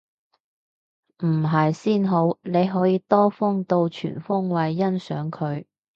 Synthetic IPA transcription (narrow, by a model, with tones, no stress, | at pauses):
m̩˨˩ɦɐ˨jsiː˥nɦo˨˥wne˨˧jɦɔː˨˥jiː˧t̪ɔː˥fʊ˥ŋt̪o˧wt͡ʃʰy̰ː˨˩nfʊ˥ŋwɐ˨jːɐ˥nsœ̰ː˨˥ŋkʰɵ˨˧ɥ